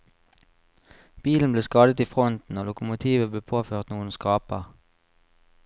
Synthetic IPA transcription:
b̥iːln̩bleːskɑːd̪ət̪iːfʁɔnt̪n̩oːlʊkʊmʊt̪ʰiːʋəbleːpʰoːføːʁt̪nuːənskɑːpəʁ

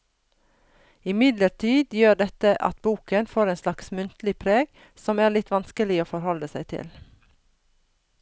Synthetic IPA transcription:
ɪmɪd̪ləʈʰiːd̪jøːɖɛt̪əʔɑ̰t̪buːkənfoːɾeːnslɑksmʉnt̪lɪpʰɾeːɡ | sɔmæːlɪt̪ʋɑnskəlɪoːfɔɾhɔləsæɪt̪ʰɪ̰l

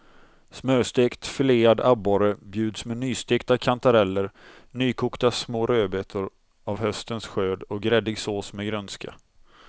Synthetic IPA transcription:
smøːst̪eːkt̪fɪleːad̪aboːɾəbjʉ̟ːd̪smɛnyːst̪eːkt̪akʰant̪aɾɛlːəɾ | nyːkʰʊːkt̪asmoːɾøːbet̪ʰʊɾ | avɦœst̪ənsɧøːd̪ɔk̚ɡɾɛd̪ɪɡsoːsmɛɡɾœnskʰa̰

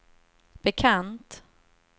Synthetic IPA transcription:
b̥ɛkʰant̪

